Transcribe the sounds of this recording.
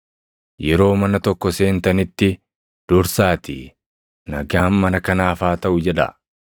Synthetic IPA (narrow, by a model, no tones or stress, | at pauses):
jɛɾo̞ːmɐnɐt̪ɔkːɔse̞ːnt̪ɐnɪt̪ːɪ | d̪̥ʊɾsaːt̪ɪ̰ | nɐɡaːnmɐnɐkɐnaːfaːt̪ɐʔʊd͡ʒɛᶑɐ̰